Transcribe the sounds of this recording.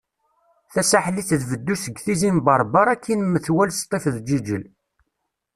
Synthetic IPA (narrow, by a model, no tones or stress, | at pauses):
θæsaħliθðvəd̪ːusəɡθizimbɑɾˤbɑɾˤækʰːinməθwælst̪ˤːefðd͡ʒid͡ʒəl